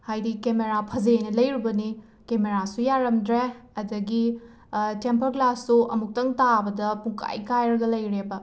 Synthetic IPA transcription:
hajdikemeɾapʰɐzenɐlɐjɾibɐni | kemeɾasujaɾɐmdɾeɐdɐɡi | tempɐɾklasːuʔɐmuk̚tɐŋtabɐdɐpuŋkʰa̰jkajɾɐɡɐlɐjɾebɐ

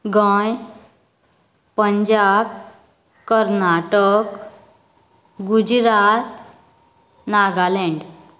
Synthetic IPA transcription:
ɡəj | pəɲd͡ʑab | kəɾnaʈək | ɡud͡ʑɾat̪ | naɡaleɳɖ

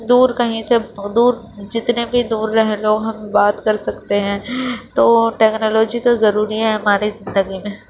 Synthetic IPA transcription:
d̪uːɾkɐɦĩsed̪uːɾ | d͡ʒɪt̪nebʱid̪uːɾːɐɦẽloːɡɦɐmbaːt̪kɐɾsɐkt̪eɦɛ̃ːt̪oːʈɛːknɔːloːd͡ʒit̪ozɐɾuːɾiɦɛɦɐmaːɾizɪ̃nd̪əɡimẽː

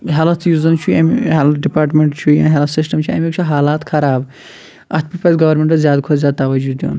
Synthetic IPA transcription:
ɦelɐt̪ʰjuːzɐnt͡ʃʰuɐmielɖipaːɾʈmeɳʈt͡ʃʰujã̰ːnɦelɐt̪sɪsʈɐmt͡ʃʰuɐmikt͡ʃʰuɦaːlaːt̪kʰɐɾaːb | ʔɐt̪ʰpipɐzɡɐʋɐɾmẽɳʈɐzjaːd̪kʰozʲjaːd̪̚t̪ɐʋɐd͡ʒud̪jṵːn

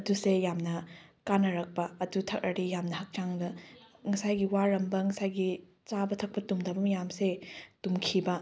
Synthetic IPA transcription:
ɐdusejamnɐkanɐɾɐk̚pɐɐdutʰɐk̚ɾʔɐɾijamnɐhɐk̚t͡ʃaŋbɐŋɐsajɡiwaɾɐmbɐŋɐsajɡi | t͡ʃabɐtʰɐk̚pɐtumdɐbɐmjamsetumkʰibɐ

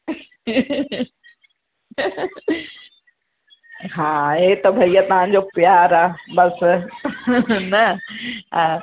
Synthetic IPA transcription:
ɦãːet̪ɐbʱɐijat̪ɐɦãɲd͡ʑopjaːɾaːbɐs | nɐ

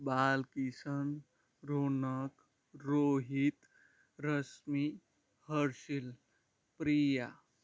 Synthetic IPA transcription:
baːlkisən | ɾoːnək | ɾoːɦit̪ | ɾəsmi | həɾʃil | pɾija

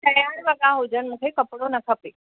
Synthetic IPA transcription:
t̪ɐjaːɾʋɐɠãɦud͡ʑənɪ̆mũːkʰekɐpɽonɐkʰɐpeː

